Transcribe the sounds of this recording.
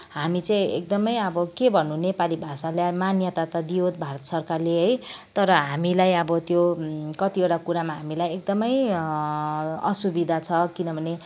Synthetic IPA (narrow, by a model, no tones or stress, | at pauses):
ɦamit͡sʌĩek̚d̪ʌmʌjʌbʌkebʱʌnunepalibʱasaleamanjʌt̪at̪ʌd̪iot̪̚bʱaɾʌt̪sʌrkarleɦʌjt̪ʌɾʌɦamilajʌbʌt̪jokʌt̪ioʈakuɾamaɦamilajek̚d̪ʌmʌj | ʌsubid̪ʱat͡sʰʌkinʌbʱʌne